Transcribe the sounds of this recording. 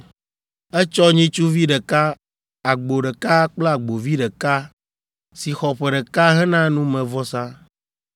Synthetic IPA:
ɛ˦t͡ʃɔ˦ɲĩ˦t͡ʃu˦vi˦ɖɛ˨ka˦ | a˨ɡ͡bo˨ɖɛ˨ka˦k͡plɔ˦a˨ɡ͡bo˨vi˦ɖɛ˨ka˦ | si˨xɔ˨ɸɛ˨ɖɛ˨ka˦ɦɛ˦nã˦nũ˦mɛ̃˨vɔ˦sã˦

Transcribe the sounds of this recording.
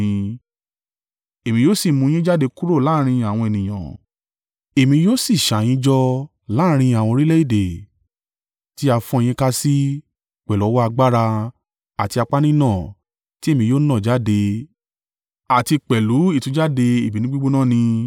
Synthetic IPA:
ĩ˧ | e˨mĩ˧joː˦si˦˨mũ˧j̃ĩ˦d͡ʒa˦de˧ku˦ɾo˦˨laː˦ɾ̃ĩ˧a˨w̃ɔ̃˧e˨nĩ˨j̃ã̰˨ | e˨mĩ˧joː˦si˦˨ʃa˨j̃ĩ˦d͡ʒɔ˧ | laː˦ɾ̃ĩ˧a˨w̃ɔ̃˧ɾi˦le˦i˦˨de˨ | ti˦a˧fɔ̃˦˧j̃ĩ˦ka˦si˦ | k͡pɛ˨lu˨˦wɔ˦a˧ɡ͡ba˦ɾa˧ | a˨ti˧a˧k͡pa˦nĩ˦nã˦˨ | ti˦e˦˨mĩ˧joː˦nã˦˨d͡ʒa˦de˧ | a˨ti˧k͡pɛ˨lu˨˦i˦˨tũ˧˦d͡ʒa˦de˧i˨bi˨nĩ˦ɡ͡bi˦ɡ͡bo˦nã˦˨nĩ˧

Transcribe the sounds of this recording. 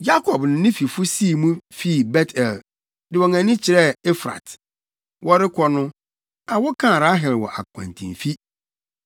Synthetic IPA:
ja˦kʰɔ˨bnʊ̃˨nɪ̃˦fi˨fʊ˦siː˦˨mũ˦fi˦˨bɛ˦tʰɛ˨l | dɪ˨wɔ˨ŋã˨nĩ˦t͡ɕʰɪ˨ɾɛ˦e˦fɾa̰˨t | wɔ˦ɾɪ˦kʰɔ˦nʊ̃˦ | a˨wɔ˦kʰã˦˨ɾa˦ɦɛ˨lwɔ˨ʔa̰˨kʷʰã̰˨ntʰḭ̃˨fi˦

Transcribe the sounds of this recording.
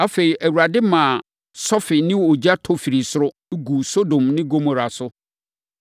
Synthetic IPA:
a˦fe˨ɾi˨ʔæ˨wu˨ɾa˨dɪ˦mã˨ | sɔ˦fɪ˨nɪ̃˦wo˨d͡ʑa˦tʰɔ˦fi˨ɾi˨sʊ˦ɾʊ˦ɡu˨so˦dõ˨mnɪ̃˦ɡo˦mo˨ɾa˨sʊ˦

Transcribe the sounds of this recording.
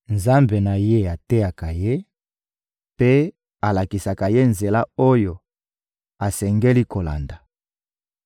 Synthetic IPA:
nza˦mbe˨na˨je˦a˨te˦ja˨ka˨je˦ | pe˦ | a˨la˨ki˨sa˨ka˨je˦nze˨la˦o˦jo˨ | a˨sɛ˨ŋɡe˦li˦ko˨la̰˨nda˨

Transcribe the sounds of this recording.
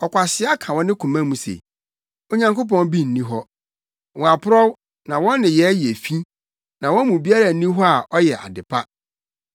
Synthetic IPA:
ɔ˨kʷʰa˨sɪ˦a˦kʰã˨wɔ̃˦nɪ̃˦kʰũ˨mã˦mũ˨sḛ˨ | o˦ɲã˨ŋko˦p̬ɔ̃˦nbi˦n̩ː˨ĩ˦ɦɔ˦ | wɔ̃˨a˨pʰʊ˦ɾɔ˦w | nã˨wɔ̃˦n˦nɪ̃˨jɛ˨˦je˨fĩ˦ | nã˨wɔ̃˦mũ˨bi˦a˦ɾa˨n̩˨nĩ˦ɦɔ˦a˨ʔɔ˦jɛ˨ʔa̰˨dɪ˨pʰa˦

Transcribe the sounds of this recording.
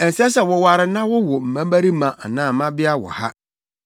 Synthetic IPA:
ɛ˨n˨sɛ˦sɛ˨wɔ˨wa˨ɾɪ˨nã˦wʊ˦wʊ˨m̩˨mã˦ma˦ɾi˦mã˨ʔa̰˨nãː˦˨mã˦bɪ˦a˦wɔ̰˨ha̰˦

